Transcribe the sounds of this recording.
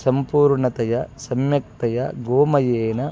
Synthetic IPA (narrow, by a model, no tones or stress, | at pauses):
sɐmpuːɾɳɐt̪ɐjɐsɐmjɐk̚t̪ɐjɐɡoːmɐjeːnɐ